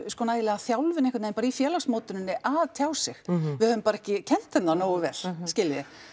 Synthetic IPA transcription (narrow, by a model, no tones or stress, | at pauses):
skɔːnajðɪlɛːɣaθjawlvɪnɪhkvt̪nempaːɾaifjɛːlaksmoːwt̪ʏnɪnːɪʔaðt̪ʰjawsɪxvɪðhœvʏmpaːɾɛhcɪcʰɛn̥t̪θɛnːanoːwʏvɛːɾ̥scɪːlɪðɪ